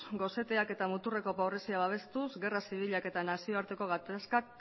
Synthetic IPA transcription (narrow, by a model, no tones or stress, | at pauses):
ɡo̞se̞t̪e̞ake̞t̪amut̪ure̞ko̞paβresiaβaβ̞e̞st̪uzɣe̞rasiβ̞iʎake̞t̪anasio̞aɾt̪e̞ko̞ɣ̞at̪askak